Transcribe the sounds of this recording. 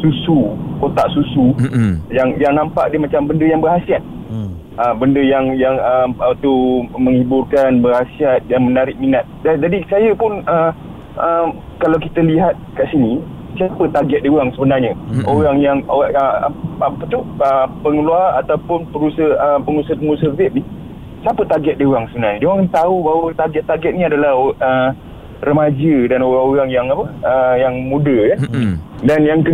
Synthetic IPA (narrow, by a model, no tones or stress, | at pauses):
susukot̪aʔsusujaŋjaŋnãmpa̰ʔdiəmat͡ʃambəndəjaŋbərɦasiat̪̚ | əbəndəjaŋjaŋəmt̪umə̃ŋhiburkanbərɦasiat̪̚danmənaɾɪʔ̚minat̪̚dad͡ʒadisajəpʊnəm | ʔəm | kalawkit̪əliɦat̪̚kaʔsinĩ | siapət̪arɡɛt̪̚diuɣaŋsəbənarɲəoɾaŋjaŋoaəapət̪uhəpəŋəluara̰t̪awpʊnpəɾusəəpəŋusəpəŋusəvɛt̪̚ni | siapət̪aɡɛt̪̚diuɣaŋsəbənarɲədioaŋt̪aubaɦwət̪aɡɛʔ̪t̪ːaɡɛt̪̚nĩadalahə | rəmad͡ʒədanoɣaŋoɾaŋjaŋapəəjaŋmũdəjadanjaŋkə